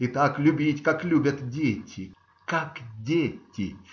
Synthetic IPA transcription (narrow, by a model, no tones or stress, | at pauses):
it̪aklʲʊbʲitʲkaklʲubʲɐt̪dʲetʲɪ | kakdʲetʲːɪ